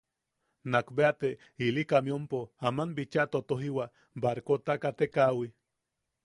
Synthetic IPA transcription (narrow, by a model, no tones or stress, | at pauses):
nakbeat̪e | ilikamiompoamanbit͡ʃat̪ot̪oɦiwa | baɾkot̪akat̪ekawi